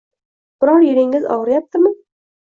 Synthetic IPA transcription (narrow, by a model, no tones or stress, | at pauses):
b̥ɪɾɒɾjeɾɪŋɪzɒ̰ʁɨɾjap̚t̪ɪmɪ